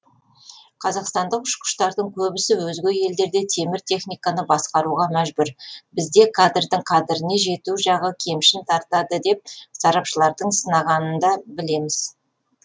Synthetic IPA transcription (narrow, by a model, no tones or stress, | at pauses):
qʰɑzɑqst̪ɑnd̪əqʊʃqʊ̥ʃt̪ɑɾd̪əɴkʲʰɵbɪsɪwɵzɡʲe̞je̞ld̪e̞ɾd̪e̞t̪ʰe̞mɪɾt̪ʰe̞χnijkanəbɑsqɑɾuʁɑmæʒbʏɾbɪzd̪e̞kʰad̪ɾd̪əɴkʰad̪ɾɪne̞ʒe̞t̪uʒɑʁəkʲʰe̞mʃɪnt̪ʰɑɾt̪ɑd̪əd̪e̞p̚sɑɾɑpʃəlˠɑɾd̪əɴsənɑʁɑnənd̪ɑbɪle̞mɪz̥